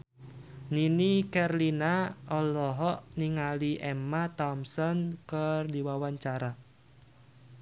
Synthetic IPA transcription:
ninikɛrlinaɔlɔɦɔʔniŋaliʔɛmat̪ɔmsɔnkərdiwawaɲt͡ʃaɾa

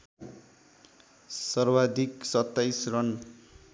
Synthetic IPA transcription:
sʌrwad̪ʱiksʌt̪ːajsrʌn

